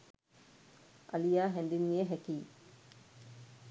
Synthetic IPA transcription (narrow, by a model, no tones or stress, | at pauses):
ʔɐlijaːɦɛnd̪inːijeɦækiː